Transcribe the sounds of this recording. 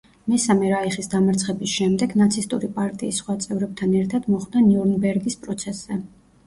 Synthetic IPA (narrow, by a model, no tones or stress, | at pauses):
mɛsamɛɾaiχisd̪amaɾt̪sʰχɛbisʃɛmd̪ɛɡnat̪sʰist̪ʼuɾipʼaɾt̪ʼiːsːχwat̪sʼɛvɾɛb̚t̪ʰanɛɾt̪ʰad̪mɔχd̪aniuɾnbɛɾɡispʼɾɔt̪sʰɛsːɛ